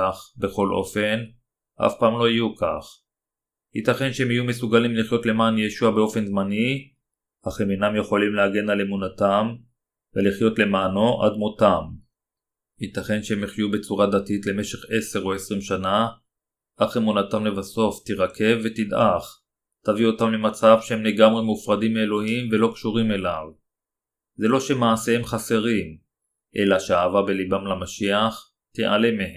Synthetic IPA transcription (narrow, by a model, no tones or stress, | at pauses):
aχbe̞χo̞lʔo̞̰fe̞n | ʔa̰fpaːmlo̞ijuka̰χ | hit̪aχe̞nʃeemhijume̞suɡalimliχjo̞t̪le̞maːnjeʃuabeo̞fe̞nzmani | haχeminamje̞χo̞limleaɡe̞nalemunat̪am | veliχjo̞t̪le̞maːno̞ʔa̰d̪mot̪am | hit̪aχe̞nʃeemeχjube̞t͡suʁad̪atitle̞me̞ʃe̞χe̞se̞ʁoesʁimʃana | ʔaχemunat̪amlevaso̞ft̪iʁakʰe̞vːe̞t̪id̪ʔaχ | tavio̞tamlemat͡savʃehemle̞ɡamʁe̞mufʁad̪imːeelo̞ɦimve̞lo̞kʃuʁime̞lav | ze̞lo̞ʃemaːse̞emχase̞ʁim | ʔe̞laʃeaːvabe̞libamlamaʃiaχ | tḛʔa̰le̞mehe